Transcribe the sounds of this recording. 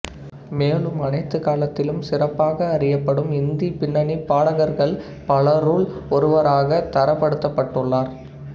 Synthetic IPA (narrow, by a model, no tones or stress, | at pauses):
meːlɯmɐnɐɪt̪ːɯkaːlɐt̪ːɪlɯmsɪrɐpːaːɣɐːrɪjɐpːɐɽɯmɪnd̪ipɪɳːɐɳipːaːɽɐɣɐɾɣɐɭ | pɐlɐɾuːɭɔɾɯʋɐɾaːɣɐt̪ɐɾɐpːɐɽɯt̪ːɐpːɐʈːɯɭːaːɾ